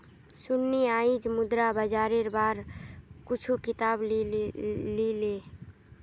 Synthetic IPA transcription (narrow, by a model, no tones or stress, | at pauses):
sʊnːiaːid͡ʒmʊd̪ɾabəd͡ʒaːɾeɾbaːɾkʊt͡ʃʰukɪt̪aːb | lileː